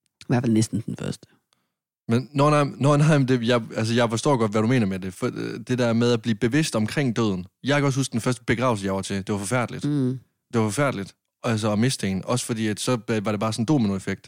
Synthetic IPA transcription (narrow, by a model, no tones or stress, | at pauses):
ʋæɐ̰fælnesd̥n̩d̥enfɶɐsd̥ə | menːɒːnɑ̈ɪ̰nɒnɑ̈ɪ̰md̥e̝jɑɪæls̬əjɑ̈ɪfɒ̽sd̥ɔ̰ːɡ̥ɒ̽d̥ʋæɾume̝̰ːnɐmede̝fd̥e̝d̥æɐmeð̞ˠæb̥liːb̥e̝ʋe̝sd̥ɒ̽mkʰʁeŋ̰d̥ø̰ð̞̰ˠn̩jɑɪkʰæɒ̽shusɡ̥d̥enfɶɐsd̥ə̥b̥e̝ɡ̥ʁɑ̈ʊl̩s̬əjɑɪʋɑt͡sʰe̝d̥e̝ʋɑ̈fɒ̽fæɐ̰d̥lid̥ | d̥e̝ʋɑfɒ̽fæɐd̥lid̥ | æls̬əɒme̝sd̥enɒ̽sə̥fɒ̽dḭːæd̥sɒ̽ʋɑ̈ɾebɑ̈ːsɒ̽n̩d̥o̝̰ːmenuefeɡ̥̚d̥